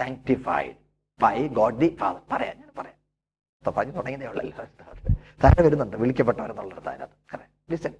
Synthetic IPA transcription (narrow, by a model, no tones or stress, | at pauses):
saːŋk̚ʈifɐ̰jɖ | bɐjɡoːɖlifa̰ːðɐrpɐrɐja̰ːnɲaːnpɐrɐjaːn | ɐpːopɐɐɲːit̪uɽɐŋːiðejuɭːɐlːot̪att̪aːɾaɽeʋɐɾunːuɳɖɨʋiɭikʲːɐp̬ːeʈːɐʋɐɾunːuɭːɐɾt̪a̰ːɾa̰ːðɨkɐrɐja | ɖisɐn